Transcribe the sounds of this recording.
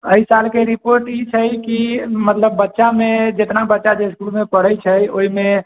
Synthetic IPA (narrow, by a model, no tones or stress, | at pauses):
əisalkeɾipoɾʈit͡ʃʰəjkimət̪ləbːətːʃamed͡ʒet̪nabətːʃad͡ʒeskulmepəɽəjt͡ʃʰəjoime